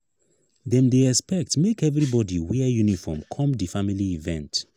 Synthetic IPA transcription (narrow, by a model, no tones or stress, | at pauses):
ðɛ̃mdeɛkspɛk̚tmekɛvɹibɔdiwɛjunifɔ̰mkʰɔ̃mdifamiliivɛ̰̃nt